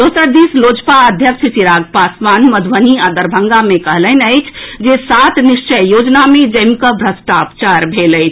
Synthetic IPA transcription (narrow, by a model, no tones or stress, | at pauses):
d̪oːsəɾd̪islod͡ʒpaəd̪ʱjəkʃəsiɾaɡpasmanməd̪ʱʋəniad̪əɾbʱəŋɡamekəɦlənəɪt͡ʃʰd͡ʒesat̪niʃt͡ʃəjjod͡ʒnamed͡ʒəɪmkəbʱɾəsʈapt͡ʃaɾbʱeləɪt͡ʃʰ